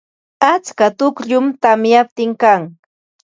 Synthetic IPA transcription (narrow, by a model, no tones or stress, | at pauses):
at͡skat̪ʊkʎʊmt̪amjap̚t̪ɪŋkaŋ